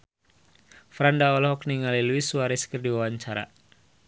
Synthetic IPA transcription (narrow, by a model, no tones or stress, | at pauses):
fɾandaɔlɔɦɔk̚niŋaliluisuaɾiskərdiwawaɲt͡ʃaɾa̰